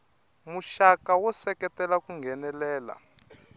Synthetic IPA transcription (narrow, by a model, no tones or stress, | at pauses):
muʃakawɔsɛkɛtɛlakuŋɡʱɛnɛlɛːla̰